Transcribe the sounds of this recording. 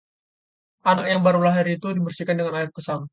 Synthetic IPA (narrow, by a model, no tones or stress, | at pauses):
ʔanak̚jaŋbaɾulaɦɪɾit̪udibərsikandəŋanaɪr̚kəsam